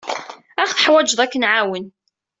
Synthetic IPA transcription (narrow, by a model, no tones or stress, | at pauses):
æχθə̥ħwæd͡ʒðˤækːənʕawən